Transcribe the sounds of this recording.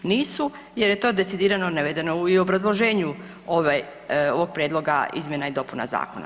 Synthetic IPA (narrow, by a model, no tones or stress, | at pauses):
niːsu | je̞ɾjet̪o̞ːd̪e̞t̪sid̪iːɾano̞naʋed̪eno̞uio̞bɾazlˠo̞ʒeːɲu | oʋaj | oʋo̞ɡ̚pɾjeːd̪lo̞ɡa̰ḭzmje̞naid̪o̞puna̰za̰ːko̞̰na̰